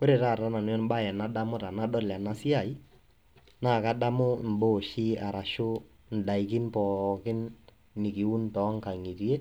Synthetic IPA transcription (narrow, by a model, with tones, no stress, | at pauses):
ko˦ɾe˨ta˦˨ra˦na˨n˦jɔ˦nba˦˨ɛ˨na˦da˦mʊ˦ta˨na˦dɔ˦la˨na˦sɪ˦a˨i˦ | naː˦˨ka˦da˦mʊ˦˨m̩˨bo˦˨ʃi˦a˨ɾa˨ʃʊ˦ | n̩˨da˨i˨k̬ɪ˦npɔ˨kɪ˦nː | ɪ˨ki˨u˦ntɔ˨˦ŋka˨ŋi˨ti˦e˦